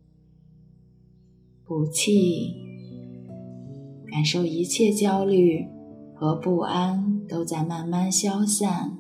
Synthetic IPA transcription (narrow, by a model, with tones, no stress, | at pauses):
pu˨˩t͡ɕʰi˥˩ | ka˨˩nʂo˥˩ʊi˧˥t͡ɕʰjɛ˥˧t͡ɕjɑ˥ʊly˥˩xɤ˧˥pu˥˩a˥nt̪o˥ʊt͡sa˥˧ɪma˥˩nma˥˧nɕjɑ˥ʊɕja˥˩n